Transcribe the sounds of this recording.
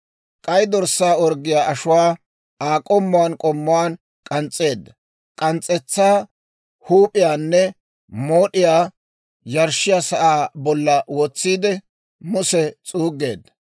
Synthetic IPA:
kʼɐjd̪ɔɾsːaːɔɾɡːɪjaːʔɐʃʊwaː | aːkʼɔmːʊwaːnkʼɔmːʊwaːn | kʼɐnt͡sʼːe̞ːd̪ːɐ | kʼɐnt͡sʼːɛt͡sːaː | huːpʼɪjaːnːɛ | moːɗɪjaː | jɐɾʃɪjaːsɐʔaːbɔlːɐwɔt͡sːiːd̪ɛ | mʊsɛt͡sʼuːɡːe̞̰ːd̪ːɐ

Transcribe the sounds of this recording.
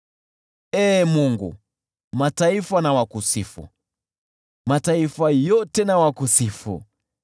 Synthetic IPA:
ɛːmuŋɡṵ | mataifanawakusifṵ | mataifajɔtɛnawakusifṵ

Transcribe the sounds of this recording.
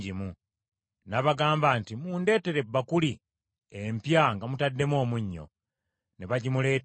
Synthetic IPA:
ɟimu | naβaɡaːmbantimuːnde̞ːte̞ɾe̞bːakuli | empjaŋɡamutadːe̞mo̞ːmuɲːo̞̰ | neβaɟimule̞ːt

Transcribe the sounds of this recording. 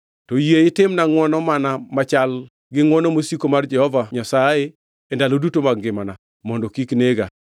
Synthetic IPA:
tɔjeɪtɪmnaŋwɔnɔmanamat͡ʃal | ɡɪŋwɔnɔmosikomard͡ʒɛhɔvaɲasaje | ɛndalodutomaɡɡɪmana | mɔndɔkikneɡa

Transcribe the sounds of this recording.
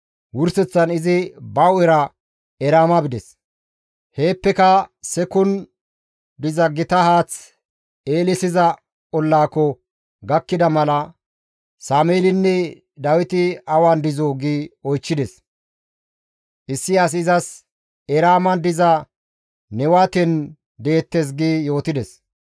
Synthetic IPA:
wʊɾsɛt͡sːɐnɪzɪbɐwɛɾɐ | ɛɾaːmɐbɪd̪ɛs | he̞ːpːɛkɐsɛkʊn | d̪ɪzɐɡɪt̪ɐhaːt͡s | eːlɪsɪzɐ | kɔlːaːkːɔ | ɡɐkːɪd̪ɐmɐlɐ | saːmeːlɪnːɛ | d̪ɐwɪt̪ɪɐwaːnd̪ɪzoːɡiːɔjt͡ʃːɪd̪ɛs | ʔɪsːɪas̬ɪzɐs | ɛɾaːmɐnd̪ɪzɐ | nɛwaːt̪ɛn | d̪e̞ːt̪ːes̬ɡiːjo̞ːt̪ɪd̪ɛs

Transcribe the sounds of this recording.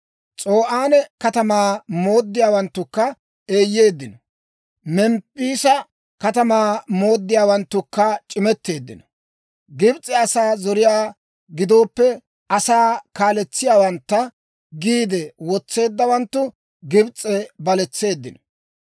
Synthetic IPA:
t͡sʼo̞ːʔaːnɛkɐt̪ɐmaːmo̞ːd̪ːɪjaːwɐnt̪ːʊkːɐ | eːjːe̞ːd̪ːɪnɔ | mɛmpʼːiːsɐ | kɐt̪ɐmaːmo̞ːd̪ːɪjaːwɐnt̪ːʊkːɐt͡ʃʼɪmɛt̪ːe̞ːd̪ːɪnɔ̥ | ɡɪbt͡sʼːɛɐsaːzɔɾɪjaː | ɡɪd̪o̞ːpːɛ | ʔɐsaːkaːlɛt͡sːɪjaːwɐnt̪ːɐ | ɡiːd̪ɛwɔt͡sːe̞ːd̪ːɐwɐnt̪ːʊ | ɡɪbt͡sʼːɛbɐlɛt͡sːe̞ːd̪ːɪnɔ

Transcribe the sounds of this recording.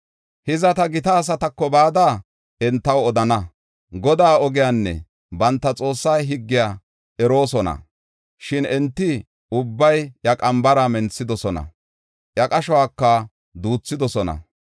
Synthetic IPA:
hɪzɐt̪ɐɡɪt̪ɐːs̬ɐt̪ɐkːɔbaːd̪aː | ɛnt̪ːɐwɔd̪ɐnɐ | ɡɔd̪aːɔɡɪjanːɛ̰ | bɐnt̪ːɐt͡sʼo̞ːsːɐjɦɪɡːɪjaː | ɛɾo̞ːsɔnɐ̰ | ʃɪnɛnt̪ːɪ | ʊbːɐjjɐkʼɐmbɐɾɐmɛnt͡sːɪd̪ɔsɔnɐ̰ | jɐkʼɐʃɔwaːkːɐ | d̪uːt͡sːɪd̪ɔsɔnɐ̰

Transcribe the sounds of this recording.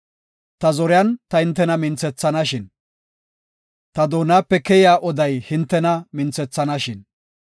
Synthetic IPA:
t̪ɐzɔɾɪjɐnt̪ɐhɪnt̪ːɛnɐmɪnt͡sɛt͡sːɐnɐʃɪn | t̪ɐd̪oːnaːpːɛkɛjɪjaːʔɔd̪ɐjhɪnt̪ːɛnɐmɪnt͡sɛt͡sːɐnɐʃɪn

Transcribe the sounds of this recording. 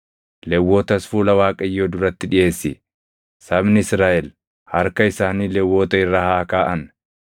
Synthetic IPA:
lɛwːoːt̪ɐsfuːlɐwaːkʼɐɪjːoːd̪ʊɾɐt̪ːɪᶑɪʔe̞ːsːɪ̰ | sɐbnɪɪsɾaːʔɛl | hɐɾkɐɪsaːniːlɛwːoːt̪ɐɪrːahaːkaːʔɐn

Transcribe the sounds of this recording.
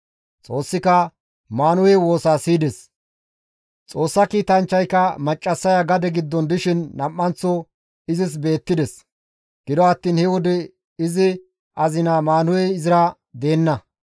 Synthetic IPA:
t͡sʼo̞ːsːɪkɐ | maːnʊwɛwo̞ːsaːsiːd̪ɛs | t͡sʼo̞ːsːɐkiːt̪ɐnt͡ʃːɐjkɐmɐt͡ʃʼːɐsːɐjɐɡɐd̪ɛɡɪd̪ːɔnd̪ɪʃɪnːɐmʔːɐnt͡sːɔ | ɪzɪs̬be̞ːt̪ːɪd̪ɛs | ɡ̥ɪd̪ɔɐt̪ːiːnhɛwɔd̪ɛ | ɪzɪ | ʔɐzɪnamaːnʊwɛɪzɪɾɐ | d̪e̞ːnːɐ

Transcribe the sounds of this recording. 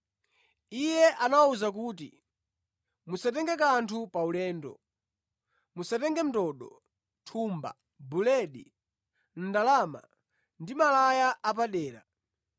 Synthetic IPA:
ijɛʔanawauzak̬uːtḭ | musat̬ɛŋɡɛkantʰupaulɛːndɔ̰ | musatɛŋɡɛm̩tɔɗɔ | tʰuːmba̰ | bulɛɗi | n̩dalama̰ | ndimalajaʔap̬aɗɛːɾa̰

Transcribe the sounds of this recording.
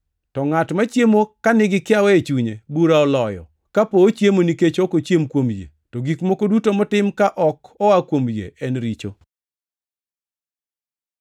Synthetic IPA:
tɔŋatmat͡ʃjemokanɪɡɪkɪawɛet͡ʃuɲebuɾaɔlɔjɔ̰ | kapoːt͡ʃjemoniket͡ʃɔkot͡ʃjemkwomjḛ | toɡikmokodutomɔtɪmkaʔɔkɔwakwomjḛʔɛnɾit͡ʃo̰

